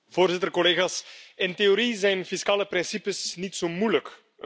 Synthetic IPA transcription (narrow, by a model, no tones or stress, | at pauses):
v̥oːrzɪtərkɔleːɣaːsɪnteoɾizɛjnfiskaːləprɪnsipəsnitsoːmujlək